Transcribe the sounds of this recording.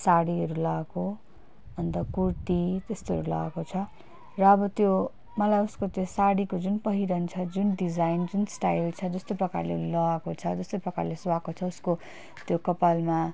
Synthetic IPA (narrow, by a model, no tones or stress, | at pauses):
saɽiɦʌɾulaako | ʌnt̪ʌkurt̪it̪est̪oɦʌ̰ɾula̰akot͡sʰʌ | rʌːbʌt̪jo | mʌlajuskot̪josaɽikod͡zunpʌɦiɾʌnt͡sʰʌd͡zunɖid͡zajnd͡zunsʈa̰ilt͡sʰʌd͡zʌst̪oprʌka̰rlelʌakot͡sʰʌd͡zʌst̪oprʌka̰rleswakot͡sʰʌusko | t̪jokʌpalma